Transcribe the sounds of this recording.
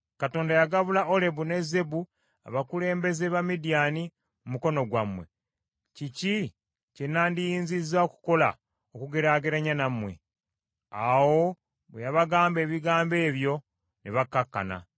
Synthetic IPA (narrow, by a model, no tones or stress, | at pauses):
kato̞ːndajaɡaβulaole̞bune̞ze̞bu | a̰βakule̞ːmbe̞zeβamidijani | mumuko̞no̞ɡwamwe̞̰ | cici | cenːaːndijiːnzizaoku̥ko̞la̰ | okuɡeɾaɡeɾaɲanamwe̞̰ | a̰wo̞ | βwejaβaɡaːmbe̞ːβiɡaːmbe̞ːβjo̞ | neβakːakːa̰na̰